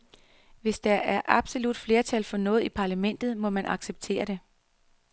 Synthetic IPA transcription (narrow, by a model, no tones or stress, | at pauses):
ʋe̝sd̥ɑ̈ʔæɐʔɑ̈b̥so̝lud̥fle̝ːɐt͡sʰælfɒ̽nɔ̽ːð̩ˠipʰɑ̈læmen̰d̥ð̩ˠmɒ̽mænʔɑ̈ɡ̥seb̥̚t͡sʰe̝̰ːɐɾ̥e̝